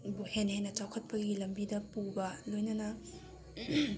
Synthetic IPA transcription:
bohenhenːɐt͡ʃawkʰɐt̚pɐɡilɐmbidɐpubɐlojnɐnɐ

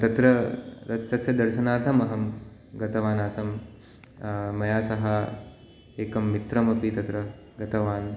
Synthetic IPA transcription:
t̪ɐt̪ɾɐɾɐst̪ɐsjɐd̪ɐɾʃɐnaːɾt̪ʰɐmɐɦɐmɡɐt̪ɐʋaːnaːsɐm | mɐjaːsɐɦɐ | eːkɐmːit̪ɾɐmɐpit̪ɐt̪ɾɐ | ɡɐt̪ɐʋaːn

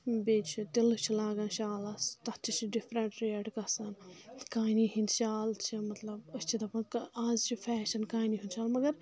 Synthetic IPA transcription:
beːt͡ʃʰit̪ilut͡ʃʰilaːɡãːnʃaːlɐst̪ɐt͡ʃʰit͡ʃʰiɖifɾɐɳʈɾeɖkɐsɐnkaːniɦinʃaːlt͡ʃʰimɐt̪lɐbɐst͡ʃʰit̪ɐpɐnkaːzt͡ʃʰifʰɛːʃɐnkaːniɦunʃaːlmɐɡɐɾ

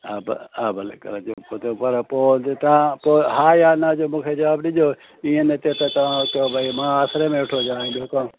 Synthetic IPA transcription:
aːbaːbəl̰kə̰ɾd͡ʒoːpot̪opəɾpoːt̪ãpoːɦaːjaːnaːd͡ʒoːmũːkʰeːd͡ʒɐʋaːbɗɪd͡ʒoː | iːẽnet̪et̪et̪ɐʋãːkobʱaimãːaːsɾeːmẽːɪʈʰoːd͡ʒaːĩːd̪oːkãː

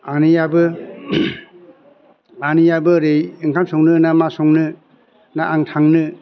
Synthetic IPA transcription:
anijabɯ | anijabɯɾejɯŋkʰamsɔŋnɯnamasɔŋnɯ | naʔːŋtʰaŋnɯ

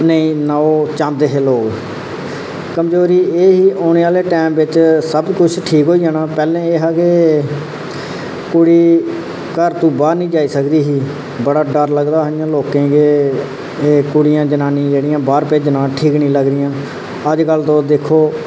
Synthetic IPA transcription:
nəĩːnaːoːt͡ʃãːnd̪eːɦeːloːɡ | kəmd͡ʒoːɾiːeːɦiːʔoːneːaːleːʈɛːmʋɪt͡ʃsəbkʊt͡ʃʰʈʰiːkɦoːiːaːnaːpɛːlẽːeːɦaːɡeː | kʊɽiː | kəɾt̪ũːbaːɾnĩːd͡ʒaːiːsəkd̪iːɦiː | bəɽaːɖəɾləɡd̪aːɦɪjãːloːkẽːɡeː | eːkʊɽɪjãːd͡ʒənãːnĩːd͡ʒeːɽɪjãːbaːɾpeːd͡ʒənãːʈʰiːknĩːləɡɾɪjãː | əd͡ʒkəlt̪õːd̪ekʰoː

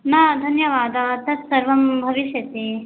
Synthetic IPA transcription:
nad̪ʱɐnjɐʋaːd̪ɐːt̪ɐt̪sɐɾʋɐmbʱɐʋiʃjɐt̪i

